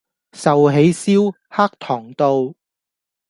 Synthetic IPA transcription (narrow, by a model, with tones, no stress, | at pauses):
sɐ˨wɦe˨˥jsiː˥w | haː˥k̚t̪ʰɔː˨˩ŋt̪o˧w